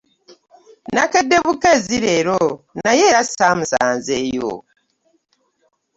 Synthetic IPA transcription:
nakedːe̞βukaziɾe̞ːɾonaje̞ːɾasaːmusa̰ːnze̞ːjo̰

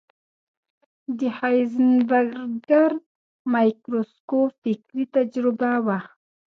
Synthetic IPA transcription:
d̪əhajznbaɾɡaɾ | majkɾoskofɪkɾit̪ad͡ʒɾɪbawa

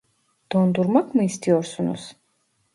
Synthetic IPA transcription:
d̪̥ɔnd̪uɾmakʰmist̪ʰiɔɾsunɔ̰s

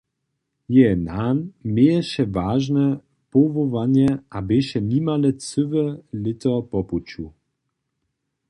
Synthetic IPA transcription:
jɛnanmeːjɛʃɛvaːʒnɛ | povovanjɛʔabeʃɛnimalɛt͡sʏvɛlɪtɔpɔput͡ʃu

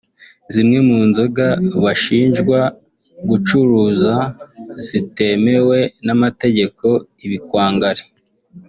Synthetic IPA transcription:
zimŋe̞muːnzoɡaβaʃiːnʒɡwa | ɡut͡ʃuɾuːzaz̥ite̞me̞we̞namate̞ɟe̞ko̞iβikwaːŋɡaɾe

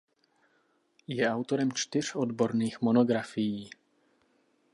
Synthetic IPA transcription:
jɛawt̪oɾɛmt͡ʃt̪ɪr̝̥od̪bo̞ɾniːxmonoɡɾafɪjiː

